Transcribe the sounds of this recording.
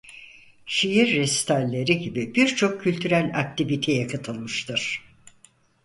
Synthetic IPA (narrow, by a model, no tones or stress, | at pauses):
ʃijiɾːɛst̪ʰalʲːe̞ɾiɟibib̥iɾt͡ʃʰo̞kcʰːylʲt̪ʰyɾælʲak̚t̪ʰivit̪ʰejakʰat̪ʰɯlˠmɯʃt̪ʰɯɾ̥